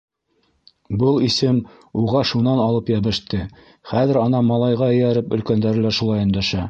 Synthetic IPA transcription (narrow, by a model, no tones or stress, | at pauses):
bɤlˠisɘm | uʁɑʃunɑnɑlˠɤpjæβɘ̆ʃt̪ɘ | χæðɘ̆ɾɑnɑmɑlˠɑjʁɑɘ̆jæɾɘpɵ̆lkænd̪æɾɘ̆læɾʃulˠɑjɘ̆nd̪æʃæ